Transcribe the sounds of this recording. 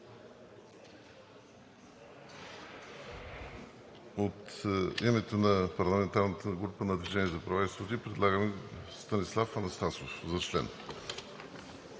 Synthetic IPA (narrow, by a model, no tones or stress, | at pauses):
ot̪imɛt̪onɐpɐɾlˠɐmɛnt̪aɾnət̪ʰəɡɾupənɐd̪viʒɛniɛzɐpɾɐvaisot̪ipɾɛd̪lˠaɡəmɛst̪ɐnislˠafɐnɐst̪asofzɐt͡ʃlɛ̰n